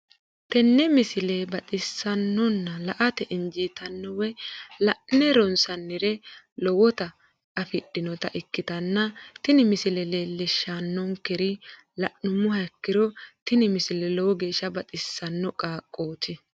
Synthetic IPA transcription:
t̪ɛnːɛmɪsɪlɛbɐt̪ʼɪsːɐnːɔnːɐlɐʔɐt̪ɛʔɪnd͡ʒiːt̪ɐnːɔwɛlɐʔnɛɾɔnsɐnːɪɾɛ | lɔwɔt̪ɐ | ɐfɪɗːɪnɔt̪ɐʔɪkːɪt̪ɐnːɐt̪ɪnɪmɪsɪlɛleːlːɛʃanːɔŋkɛɾɪ | lɐʔʊmʊhɐkːɪɾɔt̪ɪnɪmɪsɪlɛlɔwɔɡe̞ːʃːɐbɐt̪ʼɪsːɐnːɔkʼaːkʼːoːt̪ɪ

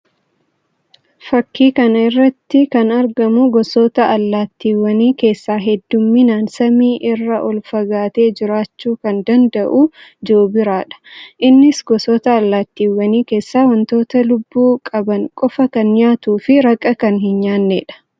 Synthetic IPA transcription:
fɐkːiːkɐnɐɪrːɐt̪ːɪkɐnɐɾɡɐmʊɡɔsoːt̪ɐɐlːaːt̪ːiːwːɐniːke̞ːsːaːɦɛd̪ːʊmːinaːnsɐmiːʔɪrːɐʔɔlfɐɡaːt̪e̞ːd͡ʒɪɾaːt͡ʃːuːkɐnd̪ɐnd̪ɐʔuːd͡ʒoːbɪɾaːᶑɐ̥ʔɪnːɪsɡɔsɔːt̪ɐːlːaːt̪ːiːwːɐniːke̞ːsːaːwɐnt̪o̞ːt̪ɐlʊbːuːkʼɐbɐŋkʼɔfɐkɐnɲaːt̪uːfɪɾɐkʼːɐkɐnhɪnɲaːnːḛːᶑɐ̥

